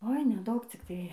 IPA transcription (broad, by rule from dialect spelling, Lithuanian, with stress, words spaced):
oːɪ nʲɛˈdɐʊk t͡sʲɪkˈtɐɪ